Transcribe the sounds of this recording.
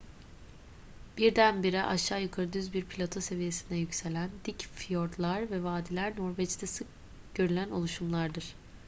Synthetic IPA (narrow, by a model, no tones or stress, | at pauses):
b̥iɾd̪ænbiɾɛʔaʃːaːjɯkʰaɾɯd̪yzbiɾpʰilʲat̪ʰose̞vije̞sind̪ɛjycse̞lʲænd̪icfijoɾt̪lˠaɾvɛvaːd̪ilʲæɾnoɾvɛt͡ʃt̪ʰɛsɯk̚ | ɟ̥ø̞ɾylʲæno̞̰lˠuʃumlˠaɾd̪ɯɾ̥